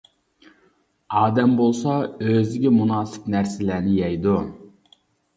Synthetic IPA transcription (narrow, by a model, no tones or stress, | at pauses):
ɑːd̪ɛmbolˠsɑøzɪɡʲɛmunɑːsɨ̥pnæɾsɪlæɾnɪjɛjd̪u